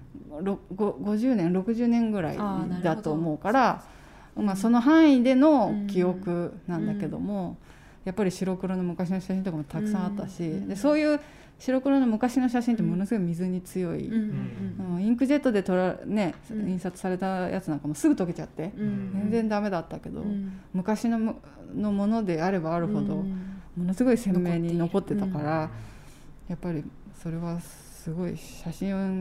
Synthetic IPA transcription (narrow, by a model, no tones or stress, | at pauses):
ɾoɡoɡo̞ʑɨːnẽɾo̞kɯ̟ʑɨːnẽ̞ŋɡɯ̟ɾa̰ḭd̪at̪o̞ːmo̞ːkaɾa | ɯmaso̞no̞ɦãɰ̃id̪e̞no̞kʲio̞kɯ̟nãnd̪ake̞d̪o̰mo̞ | japːaɾʲiɕiɾo̞kɯ̟ɾo̞no̞mɯ̟kaɕinoɕaɕĩnt̪okamot̪akɯ̟̥sãɰ̃at̪ːaɕid̪e̞so̞ːjɯ̟ː | ɕiɾo̞kɯ̟ɾono̞mɯ̟kaɕino̞ɕ̬aɕĩnt̪omo̞nosɨɡo̞imʲizɨɲ̟it͡sɨjo̞ḭ | ɯ̃ĩŋkɯ̟ʑe̞t̪ːo̞d̪e̞t̪o̞ɾane̞ĩɰ̃sat͡sɨ̥saɾe̞t̪aja̰t͡sɨnãŋkamo̞sɨɡɯ̟t̪oke̞t͡ɕat̪ːe̞d͡zẽ̞nd͡zẽ̞nd̪ame̞d̪at̪ːake̞d̪o̞̰mɯ̟kaɕino | no̞mo̞no̞d̪e̞aɾe̞baːɾɯ̟ho̞d̪o̞mo̞no̞sɨɡo̞isẽ̞mːe̞ːɲ̟ino̞ko̞t̪ːe̞t̪akaɾa | japːaɾʲi | so̞ɾe̞βa | sɨɡo̞ḭɕaɕĩ